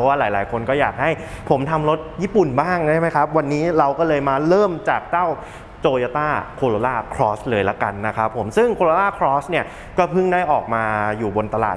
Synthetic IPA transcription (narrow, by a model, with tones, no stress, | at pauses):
waː˥˩laː˩˦jlaː˩˦jkʰo˧nkɔː˥˩jaː˨˩k̚ha˥˩jpʰo˩˦mt̪ʰa˧mɾo˦˥t̪̚jiː˥˩pu˨˩nbaː˥˩ŋt͡ɕʰa˥˩jma˦˥jkʰa˦˥p̚wa˧nːiː˦˥ɾa˧wkɔː˥˩lɤː˧jmaː˧ɾɤː˥˩mt͡ɕaː˨˩k̚t͡ɕa˥˩w | t͡ɕoː˧jaː˧t̪aː˥˩kʰoː˧ɾoː˧laː˥˩kʰɾɔː˦˥slɤː˧jla˦˥ka˧nːa˦˥kʰa˦˥pʰːo˩˦msɯ˥˩ŋkʰoː˧loː˧laː˥˩kʰɾɔː˦˥sni˥˩ɐ | kɔː˥˩pʰɯ˥˩ŋdaː˥˩jʔɔː˨˩k̚maː˧juː˨˩bo˧nt̪a˧la̰ː˨˩